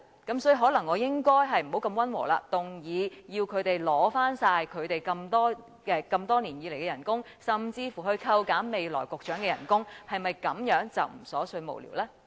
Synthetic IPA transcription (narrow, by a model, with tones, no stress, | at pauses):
kɐ˨˥msɔː˨˥ji˨˧ɦɔː˨˥lɐ˨˩ŋːɔː˨˧jɪ˥ŋkɔː˥jɦɐ˨jm̩˨˩ho˨˥wkɐ˧mwɐ˥nwɔ̰ː˨˩la̰ː˧t̪ʊ˨˩ŋjiː˨˧jiː˧wkʰɵ˨˧ɥt̪e˨jlɔː˨˥faː˥nsaː˧jkʰɵ˨˧ɥt̪e˨jkɐ˧mt̪ɔː˥ | kɛː˧kɐ˧mt̪ɔː˥niː˨˩njiː˨le˨˩jkɛː˧jɐ˨˩nkʊ˥ŋ | sɐ˨˩mt͡siː˧fuː˨˩ɦɵ˧ɥkʰɐ˧wkaː˨˥nme˨jlɔ̰ː˨˩jkʊ˨k̚t͡ʃœː˨˥ŋkɛː˧jɐ̰˨˩nkʊ˥ŋhɐ˨jmɐ˨jkɐ˨˥mjœː˨˥ŋt͡sɐ̰˨wm̩˨˩sɔː˨˥sɵ˧ɥmo̰˨wlḭ˨˩wlaː˥